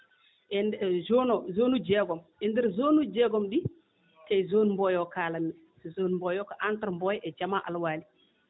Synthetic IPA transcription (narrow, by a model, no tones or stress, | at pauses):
ʔɛndɛzonɔzoːnud͡ʒɛɡɔmʔɛndɛɾzoːnud͡ʒɛɡɔmɗi | kajzonmbɔjɔkaːlanːɛ | szonmbɔjɔkaʔantaɾmbɔjʔɛd͡ʒamaʔa̰lwaːli